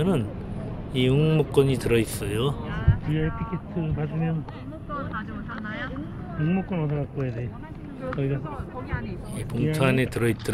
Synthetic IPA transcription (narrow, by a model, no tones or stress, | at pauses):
ʌnɯn | iɯŋmuk͈̚ʌɲitɯɾʌis͈ʌjopujaipʰikʰetʰɯpadɯmjʌn | uŋmuk͈wʌnʌdʌɾʌk͈ojede | kʌiɡas | ipuŋtʰanetɯɾʌit͈ɯ